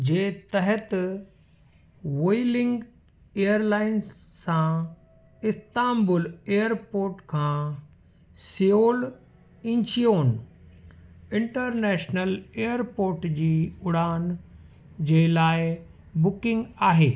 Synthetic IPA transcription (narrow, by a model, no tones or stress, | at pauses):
d͡ʑeːt̪ɐɦət̪ | ʋoːilɪ̃ŋɡ | eːjəɾlaːɪnsːã | ɪst̪aːmbʊleːjəɾpoːɾʈkʰãː | sijoːl | ɪ̃ɲt͡ɕijoːn | ɪ̃ɳʈəɾnɛːʃnəleːjəɾpoːɾʈd͡ʑiːʊɽaːn | d͡ʑeːlaːɪ | bʊkɪ̃ŋɡaːɦeː